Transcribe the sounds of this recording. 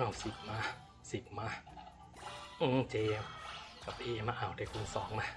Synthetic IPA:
a˧˩wsi˨˩p̚maː˧ | si˨˩p̚maː˧˩ | ʔɯ˧˩t͡ɕeː˧ka˨˩p̚ʔeː˧ʔma˧ʔa˨˩wta˧˩kʰu˧nsɔː˩˦ŋma˧

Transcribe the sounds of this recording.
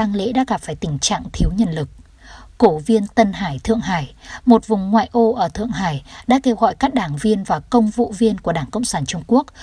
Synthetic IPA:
aː˧ŋlḛ˧˥ɗa̰ː˧˥ɣa˨˩p̚faː˧˩jt̪ï˧˩ŋ̟t͡ɕa̰ː˧˨ŋt̪ʰi˨˦əwɲə̰˧˨nlɨ˨˩k̚ː | o˧˩vi˧ənt̪ə˧nɦaː˧˩jt̪ʰɨ̰˧˨əŋɦaː˧˩jmo˨˩t̚vʊ˨˩ŋ͡mŋwa̰ː˧˨jʔo˧ʔəː˧˩t̪ʰɨ̰˧˨əŋɦaː˧˩jɗa̰ː˧˥ke˧wɣɔ̰˧˨jkaː˦˥k̚ɗaː˧˩ŋvi˧ənvaː˨˩kə˧wŋ͡mvṵ˧˨vi˧ənku˧˩əɗaː˧˩ŋkə̰˧˨wŋ͡msaː˧˩nt͡ɕʊ˧ŋ͡mku˦˥ək̚

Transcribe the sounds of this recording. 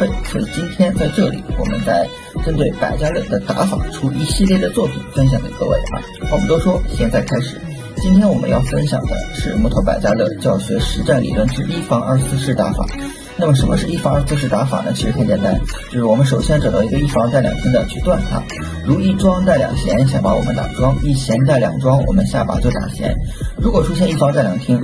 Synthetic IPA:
fe˥ɪswɔ̰˧˥i˨˩t͡ɕi˥nt̪ʰjɛ˥nt͡sa˥˧ɪʈ͡ʂɤ˥˩lḭ˨˩˦wɔ̰˨˩mʔə̰˦nt͡sa˥˩ɪ | ʈ͡ʂə˥nt̪we˥˩ɪpa̰˨˩ɪt͡ɕja˥lə˥˩d̪ə˦t̪a˧˥fa̰˨˩ʈ͡ʂʰu˥i˧˥ɕi˥˧ljɛ˥˩d̪ə˩t͡swɔ˥˩pʰḭ˨˩nfə˥nɕjɑ˨˩ŋd̪ə̰˧˥ɤ˥˧wḛ˥˩ɪa̰˨˩˥ɔ˨mə˦t̪o˥ʊʂwɔ˥ɕjɛ˥˧nt͡sa˥˩ɪkʰa˥ɪʂɻ̩˨˩˦ | t͡ɕi˥nt̪ʰjɛ˥nwɔ˨˩mə̰˦njɑ̰˥˩ʊfə˥nɕjɑ̰˨˩ŋd̪ə̰˦ʂɻ̩˥˧mu˥t̪ʰo˧˥ʊpa˨˩ɪt͡ɕja˥lɤ˥˧t͡ɕjɑ˥˩ʊɕɥɛ˧˥ʂɻ̩˧˥ʈ͡ʂa˥˩nlḭ˨˩lwə˥˧nʈ͡ʂɻ̩˥˧i˥˩fɑ˥ŋʔə̰˞˥˧sɹ̩˥˧ʂɻ̩˥˩t̪a̰˧˥fa̰˨˩˦ | na˥˩mə˩ʂ̬ə˧˥nmə˧ʂɻ̩˥˧i˥˩fɑ˥ŋə˞˥˧sɹ̩˧ʂ̬ɻ̩˥˩t̪a˧˥fa̰˨˩nə̰˩t͡ɕʰi˧˥ʂɻ̩˧˥xə˧˥nt͡ɕjɛ˨˩nt̪a˥nt͡ɕo˥˧ʊʂɻ̩˥˩wɔ˨˩mə˦nʂ̬o˨˩ʊɕjɛ˥nʈ͡ʂɤ˨˩d̪ɑ˧˥ʊi˧˥ɡə˧i˥˩fɑ˥ŋt͡sa˥˩ɪljɑ˨˩ŋt̪ʰi˥ŋd̪ə˧t͡ɕʰy˥˧t̪wa˥˧nʂʰa̰˥˩ | ɻu˧˥i˥˩ʈ͡ʂwɑ˥ŋt͡sa˥˩ɪljɑ̰˨˩ŋɕjɛ˧˥nɕja˥˩pa˧˥wɔ˨˩mə˦nt̪a̰˨˩ʈ͡ʂwɑ˥ŋi˥˩ɕʰjɛ˧˥nt͡sa˥˩ɪljɑ̰˨˩ŋʈ͡ʂwɑ˥ŋwɔ̰˨˩mə˦nɕja˥˩pa̰˨˥t͡ɕjo˥˩ʊt̪a̰˨˩ɕjɛ̰˧˥nɻu˧˥kwɔ˨˩ʈ͡ʂʰu˥ɕjɛ˥˧ni˥˩fɑ˥ŋt͡sa˥˩ɪljɑ˨˩ŋt̪ʰi˥ŋ

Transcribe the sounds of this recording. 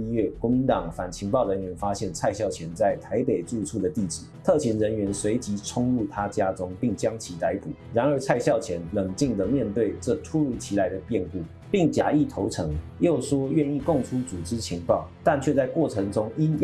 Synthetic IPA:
ɥɛ˥˩kwɔ˧˥mi˧˥nt̪ɑ˨˩ŋfa˨˩nt͡ɕʰi˧˥ŋpɑ˥˩ʊɻə˧˥nɥɛ˧˥nfa˥ɕjɛ˥˧nt͡sʰa˥˧ɪɕjɑ˥˩ʊt͡ɕʰjɛ˧˥nt͡sa˥˩ɪt̪ʰa˧˥ɪpe˨˩ɪt͡su˥˧ʈ͡ʂʰu˥˩d̪ə˩t̪i˥˩ʈ͡ʂɻ̩˨˩˦t̪ʰɤ˥˩t͡ɕʰɛ˧˥nɻə˧˥nɥɛ˧˥nswe˧˥ɪt͡ɕi˧˥ʈ͡ʂʰʊ˥ŋɻu˥˩t̪ʰa˦t͡ɕja˥ʈ͡ʂʊ˥ŋpi˥˩ŋt͡ɕjɑ˥ŋt͡ɕʰi˧˥t̪a˧˥ɪpu˨˩ɻa˧˥nə˞˧˥t͡sʰa˥˧ɪɕjɑ˥˩ʊt͡ɕʰjɛ˧˥nlə˨˩ŋt͡ɕi˥˩ŋd̪ə˩mjɛ˥˧nt̪we˥˧ɪʈ͡ʂɤ˥˧ʈ͡ʂʰu˥ɻu˧˥t͡ɕʰi˧˥la˧˥ɪd̪ə˧pjɛ˥˧npu˥˩ | pi˥˩ŋt͡ɕja̰˧˥i˥˩t̪ʰo˧˥ʊʈ͡ʂʰɤ˧˥ŋjo˥˩ʊʂwɔ˥ɥɛ˥˧ni˥˧kʊ˥˩ŋʈ͡ʂʰu˥t͡su˨˩ʈ͡ʂɻ̩˥t͡ɕʰi˧˥ŋpɑ˥˩ʊt̪a˥˧nt͡ɕʰɥɛ˥˧t͡sa˥˧ɪkwɔ˥˩ʈ͡ʂʰɤ˧˥ŋʈ͡ʂʊ˥ŋi˥n

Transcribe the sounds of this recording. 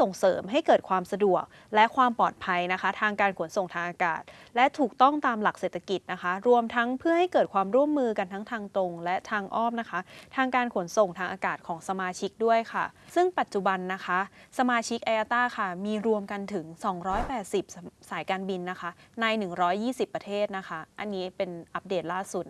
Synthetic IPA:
so˨˩ŋsɤː˩˦mɦa˥˩jkɤː˨˩t̪̚kʰwaː˧msa˧du˨˩ək̚ | lɛ˦˥kʰwaː˧mpɔː˨˩t̪̚pʰa˧jna˦˥kʰa˦˥t̪ʰaː˧ŋkaː˧nkʰo˩˦nso˨˩ŋt̪ʰaː˧ŋʔaː˧ka̰ː˨˩t̪̚lɛ˦˥t̪ʰuː˨˩k̚t̪ɔ˥˩ŋt̪aː˧mla˨˩k̚seː˨˩t̪ʰːa˧ki˨˩t̪̚na˦˥kʰa˦˥ɾu˧əmt̪ʰa˦˥ŋpʰɯ˥˩ɐha˥˩jkɤː˨˩t̪̚kʰwaː˧mɾu˥˩əmːɯː˧ka˧nt̪ʰa˦˥ŋt̪ʰaː˧ŋt̪o˧ŋlɛ˦˥t̪ʰaː˧ŋʔɔː˥˩m̚na˦˥kʰa˦˥t̪ʰaː˧ŋkaː˧nkʰo˩˦nso˨˩ŋt̪ʰaː˧ŋʔaː˧kaː˨˩t̪̚kʰɔː˩˦ŋsa˧maː˧t͡ɕʰi˦˥k̚du˥˩əjkʰa˥˩sɯ˥˩ŋpa˨˩t̪̚t͡ɕu˨˩ba˧nːa˦˥kʰa˦˥ʔsa˧maː˧t͡ɕʰi˦˥k̚ʔa˧jʔaː˧t̪aː˥˩kʰa˥˩miː˧ɾu˧əmka˧nt̪ʰɯ˩˦ŋsɔː˩˦ŋɾɔː˦˥jpɛː˨˩t̪̚si˨˩p̚saː˩˦jkaː˧nbi˧nːa˦˥kʰa˦˥na˧jnɯ˨˩ŋɾɔː˦˥jːiː˥˩si˨˩pːɾa˧t̪ʰeː˥˩t̪̚na˦˥kʰa˦˥ʔa˧nːiː˦˥pe˧nʔa˦˥p̚deː˨˩t̪̚laː˥˩su˨˩t̪̚

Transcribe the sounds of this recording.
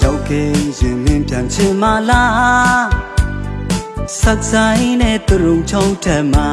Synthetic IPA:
ja˦˨kɛ˨jɪ̃˨m̥ɪ̃˦mpjã˨nt͡ɕʰɪ̃˦˨ma˨la˦ | sa˦k̚sa˨ʔi˦nɛ˨t̪ə˨ɹõ˨t͡ɕʰã˦ʊ̃tɛ˦˨ma˨

